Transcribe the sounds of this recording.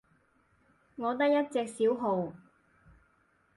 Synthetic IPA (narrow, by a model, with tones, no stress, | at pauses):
ŋɔː˨˧t̪ɐ˥k̚jɐ˥t̚t͡sɛː˧k̚siː˨˥wɦo˨˧w